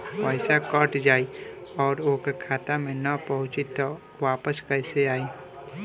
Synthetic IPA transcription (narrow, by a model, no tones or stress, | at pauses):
ɛɪsakəʈd͡ʒaːiɔːɾoːkkʰaːt̪amẽnəpəɦʊ̃t͡ʃit̪ɔ | ʋaːpəskəɪseaːiː